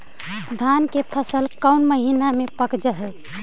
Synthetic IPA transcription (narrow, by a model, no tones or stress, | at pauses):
d̪ʱankepʰəsəlkəwnməɦinamepəkd͡ʒəɦɛ